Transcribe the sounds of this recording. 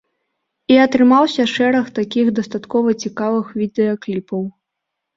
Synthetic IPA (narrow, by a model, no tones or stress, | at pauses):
iɐt̪ɾɨmawsʲɐʂɛɾɐxt̪akʲixd̪ɐst̪at̪kɔvɐt͡sʲikavɨxvʲid̪ɛɐklʲipɐw